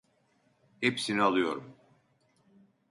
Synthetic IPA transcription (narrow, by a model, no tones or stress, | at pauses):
hepsinialˠɯjo̞ɾum